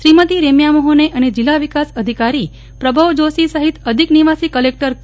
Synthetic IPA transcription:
ʃɾimət̪iɾemjamoɦoneʔəned͡ʒilːaʋikasəd̪ʱikaɾi | pɾəbʱaʋd͡ʒosisəɦit̪əd̪ʱikniʋasikəlek̚ʈəɾ

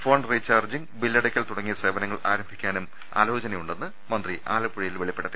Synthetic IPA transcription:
fo̞ːɳɖrit͡ɕːaːrd͡ʑiŋbilːɐɽɐkʲːɐlt̪uɽɐŋːijɐsreːbɐnɐŋːɐɭaːɾɐmbʱikʲːaːnum | a̰ːlo̞ːt͡ɕɐnɐjuɳɖe̞nːɨ | mɐnd̪riʔaːlɐpːuɻijilʋeɭipːeɽɐt̪ːi

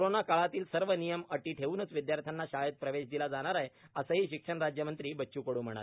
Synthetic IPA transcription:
kɾonakaɭat̪iːlsəɾʋənijəməʈiːʈʰeuːnət͡sʋid̪jaɾt̪ʰanːaɕajət̪̚pɾəʋeɕd̪ilad͡zaɽ̃aɾajəsəɦiːɕikʂəɳɾad͡ʑjəmənt̪ɾiːbətːɕuːkəɽuːnm̤əɽ̃a̰

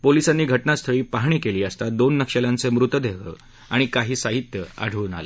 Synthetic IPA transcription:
polisanːiːɡʱəʈnast̪ʰəɭiːpaɦɳiːkeliːəst̪ad̪onːəkɕəljãnt͡semɾut̪əd̪eʋə̰ | aɽ̃ikaɦiːsaɦit̪jəa̰ɽ̤ʱuʋuːna̰lḛ

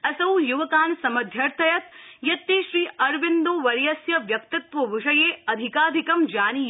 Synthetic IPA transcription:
ɐsɐwjuʋɐkaːnsɐmɐd̪ʱjɐɾt̪ʰɐjɐt̪jɐt̪ːiːʃɾiːɐɾʋind̪oːʋɐɾjɐsjɐʋjɐk̚t̪ɐt̪ʋɐʋiʂɐjeːɐd̪ʱikaːd̪ʱikɐmd͡ʒaːniː

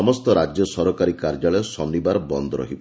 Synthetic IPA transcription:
ɔmɔst̪ɔɾad͡ʒjɔsɔɾɔkaɾikaɾd͡ʒaɭɔjɔsɔnːibaɾɔbɔnd̪ɔɾɔ̰ɦibɔ

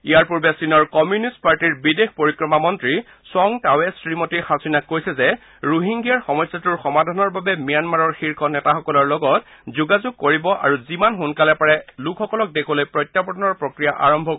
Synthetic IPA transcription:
ijaɹpuɹbɛsinɔɹkɔmjunistpaɹtiɹbidexpoɹikɹɔmamɔntɹi | sɔŋtawɛsɹimɔtiɹxasinakːojsɛzɛ | ɹuɦiŋɡijaɹxɔmɔsːatuɹxɔmadʱanɔɹbabɛmijanmaɹɔɹxiɹkʰɔnɛtaxɔkɔlɔɹlɔɡɔt | zuɡazuɡ̚koɹibɔʔa̰ɹuzimanxunkalɛpaɹɛlukʰɔkɔlɔk̚dekʰɔlojpɹɔjtːapɔdɔnɔɹpɹokɹijaʔaɹɔmbʱɔ

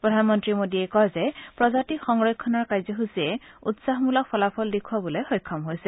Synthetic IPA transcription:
pɹɔd̪ʱanɔmɔntɹimodiekɔɦzepɹɔzatixɔŋɹɔjkʰːɔnɔɹkaɹzɔɦusie | utsaɦmulɔk̚pʰɔlapʰɔldekʰuabɔlɔjxɔjkʰːɔmɦojsi

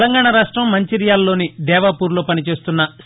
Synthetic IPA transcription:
lɐŋɡaːɳɐɾaːʂʈɾɐmːɐɲt͡ʃiɾijaːlloːnid̪ɛːʋaːpuːɾlo̞ːpɐnit͡ʃe̞ːst̪unːɐ

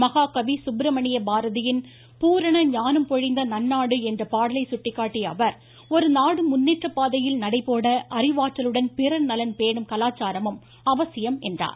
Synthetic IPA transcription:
mɐɣaːkɐʋisʊbɾɐmɐɳɪjɐbaːɾɐðɪjɪn | puːɾɐɳɐɲaːnɯmpɔɻɪnd̪ɐnɐnːaːɽɯɛndrɐpaːɽɐlɐɪsʊʈːɪkːaːʈːiɐ̰ʋɐɾ | ɔɾɯnaːɽɯmʊnːiːʈrɐpːaːðɐjɪlnɐɽɐɪpːoːɽɐʔɐrɪʋaːt͡ʃːɐlɯɽɐnpɪɾɐlnɐlɐnpeːɳɯmkɐlaːt͡ʃːaːɾɐmɯm | ɐʋɐsɪjɐmɛndra̰ːɾ

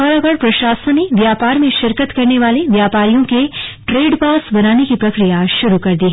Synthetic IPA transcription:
ɔːɾaɡəɽpɾɐʃaːsə̃neʋjaːpaːɾmẽʃɪɾkət̪kɐɾneʋaːleʋjaːpaːɾijõkeʈɾeːɖpaːsbɐnaːnekipɾɐkɾijaʃʊɾukɐɾd̪iːɦɛ

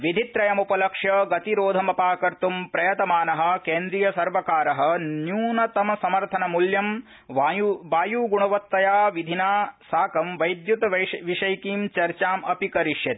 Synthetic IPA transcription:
ʋid̪ʱit̪ɾɐjɐmupɐlɐkʂjɐɡɐt̪iɾoːd̪ʱɐmɐpaːkɐɾt̪umpɾɐjɐt̪ɐmaːnɐɦɐ̆keːnd̪ɾijɐsɐɾʋɐkaːɾɐɦɐ̆njuːnɐt̪ɐmɐsɐmɐɾt̪ʰɐnɐmuljɐm | ʋʋaːjuːɡuɳɐʋɐt̪ːɐjaːʋid̪ʱinaːsaːkɐmʋɐjd̪jut̪ɐʋɐʋiʂɐjkiːmt͡ʃɐɾt͡ʃaːmɐpikɐɾiʃjɐt̪i̥

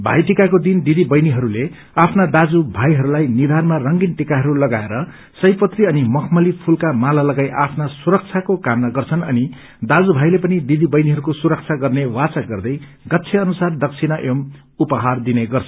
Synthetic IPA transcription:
bʱa̰jʈikakod̪ind̪id̪ibʌjniɦʌɾule | apʰnad̪ad͡zubʱajɦʌɾulajnid̪ʱanmarʌŋɡinʈikaɦʌɾulʌɡaeɾʌ | sʌjpʌt̪riʌnimʌkʰmʌlipʰulkamalalʌɡajʔapʰnasuɾʌk̚t͡sʰakokamnaɡʌrt͡sʰʌnʌni | d̪ad͡zubʱajlepʌnid̪id̪ibʌjniɦʌɾukosuɾʌk̚t͡sʰaɡʌrnewat͡saɡʌrd̪ʌj | ɡʌt̪ːt͡sʰeʌnusard̪ʌk̚t͡sʰinʌʔem | upʌɦard̪ineɡʌrt͡sʰʌn

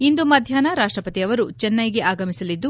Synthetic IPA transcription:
ind̪umɐd̪ʱjaːnɐɾaːʂʈɾɐpɐt̪iɐʋɐɾut͡ʃɛnːɐjɡe̞ʔaːɡɐmisɐlid̪ːu

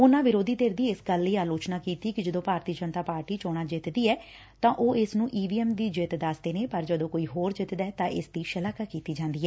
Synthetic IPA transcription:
ʊnãːʋɪɾoːd̪iːd̪eːɾd̪iːɪsɡəlːiːaːloːt͡ʃnaːkiːt̪iːkɪd͡ʒəd̪õːpaːɾt̪iːd͡ʒənt̪aːpaːɾʈiːt͡ʃoːɽ̃ãːd͡ʒɪt̪d̪iːɛː | t̪ãːʔoːɪsnũːʔiːʋiːɛːmd̪iːd͡ʒet̪d̪asd̪eːneːpəɾd͡ʒəd̪õːkoːiːɦoːɾd͡ʒɪt̪d̪ɛːt̪ãːʔɪ̰sd̪iːʃəlaːkakiːt̪iːd͡ʒãːnd̪iːɛː

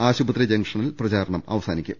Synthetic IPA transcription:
aːɕubɐt̪ɾɐd͡ʑɐŋkʂɐɳilprɐt͡ɕaːɾɐɳɐmɐ̰ʋɐsaːnikʲːu

